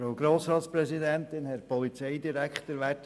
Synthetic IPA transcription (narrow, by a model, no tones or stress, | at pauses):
ɾaʊɡɾoːsɾɑːt̪spɾɛsidɛnt̪ɪnhɛɾpɔlit͡sɛɪd̪iɾækχt̪əɾʋæt